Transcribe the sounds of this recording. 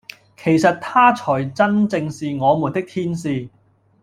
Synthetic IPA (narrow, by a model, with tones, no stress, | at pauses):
kʰe˨˩jsɐ˨t̚t̪ʰaː˥t͡sʰɔː˨˩jt͡sɐ˥nt͡sɪ˧ŋsiː˨ŋɔː˨˧mu˨˩nt̪ɪ˥k̚t̪ʰiː˥nsiː˨˧